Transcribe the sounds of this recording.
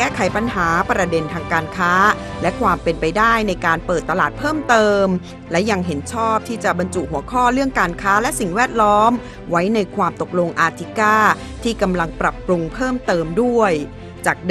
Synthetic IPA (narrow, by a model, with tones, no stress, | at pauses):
kɛː˥˩kʰa˩˦jpa˧nɦaː˩˦pɾa˧de˧nt̪ʰaː˧ŋkaː˧nkʰaː˦˥ | lɛ˦˥kʰwaː˧mpe˧npa˧jdaː˥˩jna˧jkaː˧npɤː˨˩t̪ːa˧laː˨˩t̪̚pʰɤː˥˩mt̪ɤː˧m | lɛ˦˥ja˧ŋɦe˩˦nt͡ɕʰɔː˥˩p̚t̪ʰiː˥˩t͡ɕa˨˩ba˧nt͡ɕu˨˩ɦu˩˦ɐkʰɔː˥˩ɾɯ˥˩əŋkaː˧nkʰaː˦˥lɛ˦˥ʔsi˨˩ŋwɛː˥˩t̪̚lɔː˦˥m | wa˦˥jna˧jkʰwaː˧mt̪o˨˩k̚lo˧ŋʔaː˧t̪ʰi˦˥kaː˥˩ | t̪ʰiː˥˩ka˧mla˧ŋpɾa˨˩pːɾu˧ŋpʰɤː˥˩mt̪ɤː˧mdu˥˩əj | t͡ɕaː˨˩k̚